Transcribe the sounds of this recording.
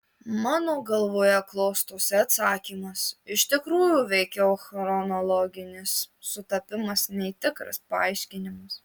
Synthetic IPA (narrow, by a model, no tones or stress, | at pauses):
mɑːnoːɡɐlˠʋoːjɛklˠɔːst̪oːsʲɛɐt̪sɑːkʲiːmɐsɪʃʲt̪ʲɪkɾuːjuːʋʲɛɪkʲɛoxɾɾɔnolˠɔːɡʲɪnʲɪsːʊt̪ɐpʲɪmɐsnʲɛɪt̪ʲɪkɾɐ̰spɐɐ̰ɪʃʲkʲɪnʲɪmɐs